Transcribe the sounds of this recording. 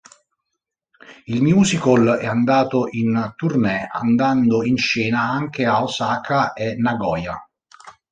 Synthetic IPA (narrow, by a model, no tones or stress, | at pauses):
ilmjuːsikolɛand̪aːt̪oʔint̪urnɛa̰nd̪and̪oinʃɛːnaaŋk̟eaosaːkʰaʔɛnːaɡɔːja̰